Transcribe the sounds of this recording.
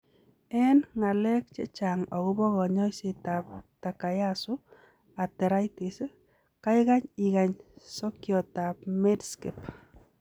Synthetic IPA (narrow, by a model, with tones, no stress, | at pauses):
ɛ˦nŋa˨lɛ˦k̚t͡ʃḛ˦t͡ʃa˨ŋɔ˨ɣʊ˦bɔ˦ɣɔ˨ɲɔ˦ise˦˨ta˨p̚ta˨ka˨ja˦sʊ˦ | a˨tɛ˨ɾa˦jti˨s | ka˦ɪ˦ɣa˦ɲɪ˨ɣa˨ɲsɔ˦kjɔ˨ta˨p̚me˦dske˨p